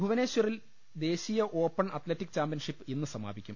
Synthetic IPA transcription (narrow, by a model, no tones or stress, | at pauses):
bʱuʋɐne̞ːɕuril | d̪e̞ːɕijɐʔo̞ːpːɐɳɐt̪leʈːikːt͡ɕaːmpiɐnʂipːɨinːɨsɐma̰ːbʱikʲːum